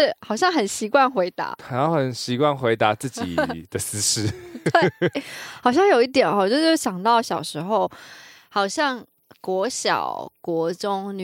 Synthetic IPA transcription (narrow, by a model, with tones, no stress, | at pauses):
xɑ˨˩ʊɕjɑ˥˩ŋxə˨˩nɕi˧˥kwa˥˩nxwe˧˥ɪt̪a̰˧˦a˨˩˦ja˥˩xə˨˩nɕi˧˥kwa˥˩nxwe˧˥ɪt̪a˧˦t͡sɹ̩˥˩t͡ɕḭ˨˩d̪ə˦sɹ̩˥ʂɻ̩˥t̪we˥˩ | xɑ˨˩ʊɕ̬jɑ˥˩ŋjo˨˩ʊi˥˩t̪̬jɛ˨˩nɔ˥˨˩t͡ɕo˥˧ʊʂo˥˩ɕjɑ˨˩ŋt̪ɑ˥˩ʊɕjɑ˨˩ʊʂɻ̩˧˥xo˥˩ʊ | hɑ˨˩ʊɕjɑ˥˩ŋ | kwɔ˧˥ɕjɑ̰˨˩ʊkwɔ˧˥ʈ͡ʂʊ˥ŋn˨